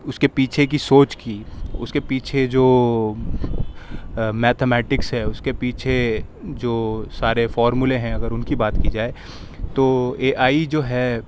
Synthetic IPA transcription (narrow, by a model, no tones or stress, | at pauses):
ʊskepiːt͡ʃʰek̬isoːt͡ʃkiʊskepiːt͡ʃʰed͡ʒoː | mɛːt̪ʰemɛːʈɪksɦɛʊskepiːt͡ʃʰe | d͡ʒoːsaːɾefɔːɾmuleɦɛ̃ɐɡəɾʊnkibaːt̪kid͡ʒaːe | t̪oːeːʔaːid͡ʒoːɦɛ